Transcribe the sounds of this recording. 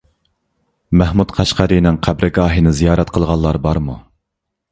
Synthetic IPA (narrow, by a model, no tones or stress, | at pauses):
mæhmut̪qʰɑʃqæɾɨnɪŋqʰæbɾʔɪɡɑːɦinɪzijɑːɾɛt̪̚qʰəlˠʁɑlˠːɑɾbɑɾmu